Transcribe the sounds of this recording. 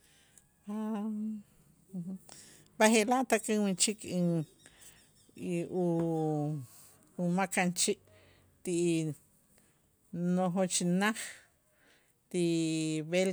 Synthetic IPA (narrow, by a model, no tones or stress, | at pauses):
a | baɦeʔlaʔt̪akiŋwit͡ʃikʰiŋ | ʔu | umakant͡ʃiʔ | t̪iʔ | noɦot͡ʃinaχ | t̪iʔβel